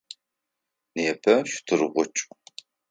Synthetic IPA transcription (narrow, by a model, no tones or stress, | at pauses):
neːpʰɐʃtʰɨrʁʷʊt͡ʃʼ